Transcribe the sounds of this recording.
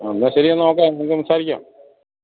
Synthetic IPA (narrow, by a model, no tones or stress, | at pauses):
nːaɕɐɾiɐnːoːk̬ːeenɨkːɨumsaːɾikʲːa̰ːm